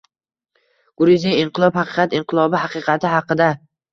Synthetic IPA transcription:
ɡ̥ʊɾizɪɪɴqɨlˠɒphɑqɨqʰɑt̪ɪɴqʰɨlˠɒbɪɦɑqɨqʰɑt̪ʰɪɦɑqɨd̪a

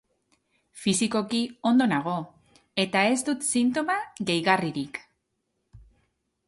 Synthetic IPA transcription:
fisiko̞kio̞nd̪o̞naɣ̞o̞ | e̞t̪ae̞zd̪ut̪sint̪o̞maɣejɣariɾik

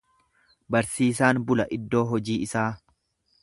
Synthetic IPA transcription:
bɐɾsiːsaːnbʊlɐʔɪd̪ːo̞ːɦɔd͡ʒiːɪsaː

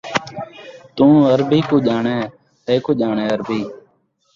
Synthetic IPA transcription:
t̪ũːəɾbiːkoːd͡ʒaːɳeː | t̪eːkoːd͡ʒaːɳeːəɾbiː

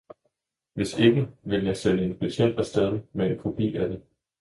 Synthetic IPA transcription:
ʋe̝se̝ɡ̥əʋe̝ljɑ̈ɪseləe̝npʰæɕʰen̰d̥æsd̥eðˠmeenkʰo̝b̥ʰḭːæd̥e

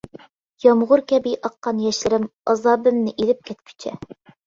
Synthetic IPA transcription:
jɑmʁʊɾkʲæbijʔɑqːɑnjæʃlɘ̆ɾɘmɑzɑbɘ̆mnɘʔilɘp̚kʲæt̪kʰɵ̥t͡ɕʰæ̰

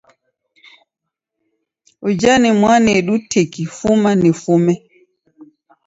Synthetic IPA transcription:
ʔɔd͡ʒanimwanɛɗutʰekifumanifumɛ

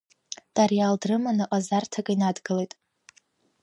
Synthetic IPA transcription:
d̥ʼarjaldrɨmanɨʔʼazartʰakʼinadɡɨlejtʼ

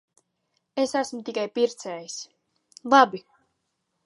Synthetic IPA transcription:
esasmut̪ikajpiɾt̪sɛːjis | lˠabi

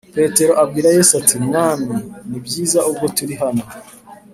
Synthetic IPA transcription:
pe̞ːte̞ɾo̞ʔab̚ɡiːɾajesatimŋaːninibjiːzaub̚ɡo̞tuɾiɦano

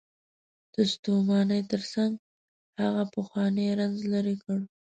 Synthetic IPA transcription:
d̪̥əst̪umɑnəjt̪əɾsaŋɡ | haɣapəxwɑneɾanzlaɾekəɽ

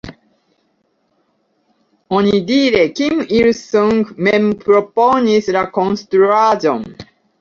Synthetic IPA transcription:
onidiɾekimiɹsuŋɡmɛmpɾoponislakõnstɾuazo̰n

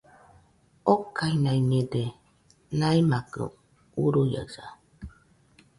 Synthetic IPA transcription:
okːainainede | naimakɯ̰ | uɾuja̰sa

